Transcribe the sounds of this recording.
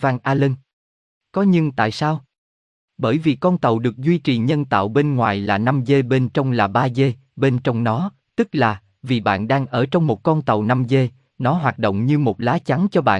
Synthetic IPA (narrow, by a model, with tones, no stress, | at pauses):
vaː˧ŋʔaː˧lə˧ŋ | kɔ˨˦ɲɨ˧ŋt̪a̰ː˧˨jsaː˧w | ɓəː˧˩jvi˨˩kɔ˧nt̪ə˨˩wɗɨ˨˩ək̚zwi˧t͡ɕi˨˩ɲə˧nt̪a̰ː˧˨wɓe˧nŋwaː˨˩jlaː˨˩na˧mze˧ɓe˧nt͡ɕə˧wŋ͡mlaː˨˩ɓaː˧ze˧ | ɓe˧nt͡ɕɔ˧wŋ͡mnɔ˨˦ | t̪ɨ˦˥k̚laː˨˩ | vi˨˩ɓa̰ː˧˨nɗaː˧ŋʔəː˧˩t͡ɕɔ˧wŋ͡mmo˨˩t̚kɔ˧nt̪ə˨˩wna˧mze˧ | nɔ˨˦ɦwaː˨˩t̚ɗo̰˧˨wŋ͡mɲɨ˧mo˨˩t̚laː˨˦t͡ɕa˨˦ŋt͡ɕɔ˧ɓa̰ː˧˨